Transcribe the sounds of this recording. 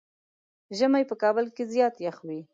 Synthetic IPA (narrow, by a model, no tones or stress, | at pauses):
ʒəmajpəkɑbəlkezjɑt̪jaxwi